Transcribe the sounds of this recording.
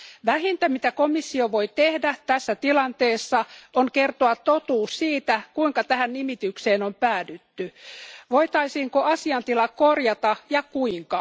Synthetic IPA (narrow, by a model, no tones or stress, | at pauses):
ʋæɦint̪æmit̪æko̞misːioʋojt̪ehdæt̪æsːæt̪ilɑnt̪eːsːɑoŋke̞rt̪oɑt̪ːot̪uːssiːt̪ækuiŋkɑt̪æhænnimit̪ykse̞ːnompæːdyt̪ːyʋoit̪ɑisiːŋkoʔɑsiɑnt̪ilɑkorjɑt̪ɑjɑkuiŋkɑ